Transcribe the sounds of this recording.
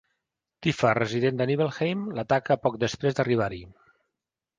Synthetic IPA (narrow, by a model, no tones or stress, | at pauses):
t̪ifərəziðend̪əniβelˠxejmlət̪akəpɔk̚d̪əspɾezd̪əriβ̞aɾi